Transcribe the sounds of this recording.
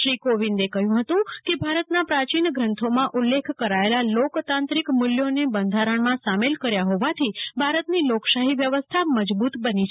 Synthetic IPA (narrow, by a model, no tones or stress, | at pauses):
ʃɾikoʋind̪ekəɦjũɦət̪ũkebʱaɾət̪napɾat͡ʃinəɡɾənt̪ʰomãʔulːekʰkəɾaelalokt̪ãnt̪ɾikmʊljonebənd̪ʱaɾəɳmãsamelkəɾjaɦoʋat̪ʰibʱaɾət̪niloksaɦiʋjəʋəst̪ʰaməd͡ʒbut̪bənit͡ʃʰ